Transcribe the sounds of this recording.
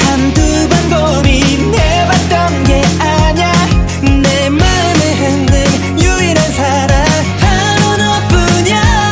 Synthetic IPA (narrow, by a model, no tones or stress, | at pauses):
sʰantu | bando | mi | ne | bat̚t͈ʌnɡeaɲa | nːema | nɯnɦɯndɯŋ | juiɾansʰa | ɾa | ha | nonʌp͈ɯɲa